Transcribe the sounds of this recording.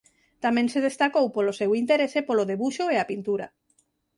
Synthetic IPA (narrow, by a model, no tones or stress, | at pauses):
t̪amẽŋseðest̪akowpolosewint̪eɾesepoloðeβuʃoeapint̪uɾa̰